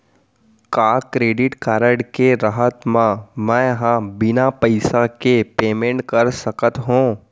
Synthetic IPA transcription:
kaːkɾeːɖɪʈkaːɾəɽkeɾəɦət̪mãmɛ̃ɦãbɪnapəɪsakepeːmẽɳʈkɐɾsəkət̪ɦũː

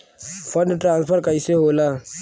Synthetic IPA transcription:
fʰəɳɖʈɾãːnspʰəɾkəɪseɦoːlaː

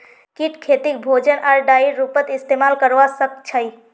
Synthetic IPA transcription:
kiʈkʰet̪ik̚bʱod͡ʒənʔaɾɖaiɾɾːupət̪ist̪emalkəɾʋasək̚t͡ʃʰəj

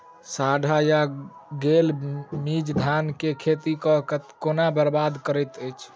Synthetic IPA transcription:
saɖʱajaɡelmid͡ʒd̪ʱankekʰet̪ikɔ̃k̪konabəɾbad̪kəɾət̪əjt͡ʃʰ

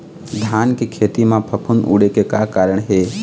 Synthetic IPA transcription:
d̪ʱaːnkekʰeːt̪imãpʰəpʰunṵːɽekekakaːɾəɳ̃ɦeː

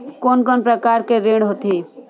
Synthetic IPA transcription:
koːnkɔnpɾəkaːɾkeɾẽːɽɦot̪i

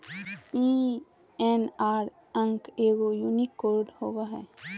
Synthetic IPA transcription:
i | enaːɾ | ə̃ŋkeːɡojunikːoɾɖhoːɡaɦɛ̰

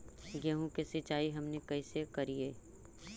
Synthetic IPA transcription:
ɡɛɦũkesɪt͡ʃaːiɦɐmnekɐɪsekɐɾieː

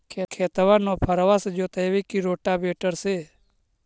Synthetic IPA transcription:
kʰekʰeːt̪ʋãnopʰəɾʋasd͡ʒoːt̪əjʋekiɾoːʈabeːʈəɾseː

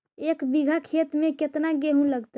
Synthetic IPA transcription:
ekbiɡʱakʰet̪mẽket̪naɡeɦũləɡt̪

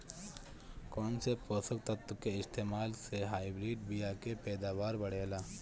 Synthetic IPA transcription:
kɔːnsepoːsəkt̪ɐt̪ːʊkeɪst̪eːmaːlseɦaːibɾiːɖbʱijaːkepɛːd̪aːʋaːɾbəɽ̤eːlaː

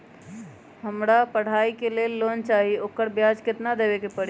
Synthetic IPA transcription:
ɦəmɾapəɽ̤aikelelːont͡ʃaɦiokəɾbjad͡ʒkɪt̪nad̪ebekepəɽ

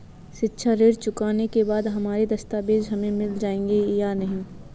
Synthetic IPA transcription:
ʃɪtːʃʰaɾeːɾt͡ʃʊkaːnekebaːd̪ɦɐmaːɾed̪ɐst̪aːbeːd͡ʒɦɐmẽmɪld͡ʒaːẽːŋɡejanɐɦĩː

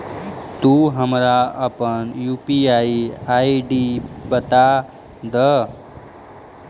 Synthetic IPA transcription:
t̪uɦəmɾaəpənjupiajiaiɖibət̪a | d̪ə

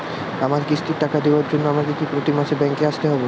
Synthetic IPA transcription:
amaɾkiʃʈiʈːakad̪eoaɾd͡ʑonːoamakekipɾot̪imaʃebɛŋkeaʃt̪eɦɔbo

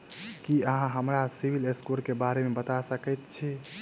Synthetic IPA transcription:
kiəɦãɦəmɾasibʱileskoɾkebaɾemebət̪asəkɛjt̪t͡ʃʰi

